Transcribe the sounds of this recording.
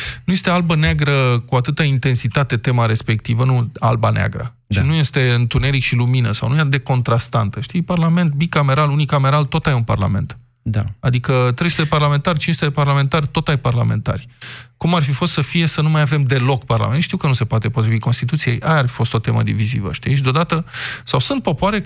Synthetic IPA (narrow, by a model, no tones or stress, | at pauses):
nuje̞st̪e̞albəneaɡɾəkuat̪ɨt̪aint̪e̞nsit̪at̪e̞t̪e̞maɾe̞spe̞k̚t̪ivənualbanea̰ɡɾə̰ | t͡ʃinuje̞st̪e̞ɨnt̪une̞ɾikʃiluminəsa̰wnujad̪e̞ko̞nt̪ɾast̪ant̪əʃt̪ijparlame̞nt̪̚bikame̞ɾalunikame̞ɾalt̪o̞t̪ajunpa̰rla̰me̞̰nt̪ | d̪aad̪ikət̪ɾest̪eeparlame̞nt̪arʲt͡ʃiest̪eeparlame̞nt̪art̪o̞t̪ajparla̰me̞nt̪a̰rʲkumarfifo̞st̪səfije̞sənumajave̞md̪e̞lo̞kparla̰menʃt̪iwkənuse̞poat̪e̞po̞t̪ɾiviko̞nst̪it̪ut̪sije̞̰jʔaarfi̥fo̞st̪o̞t̪e̞mə̰d̪ḭvizḭvə̰ʃt̪iʃid̪eo̞d̪at̪əsawsunt̪̚po̞poaɾe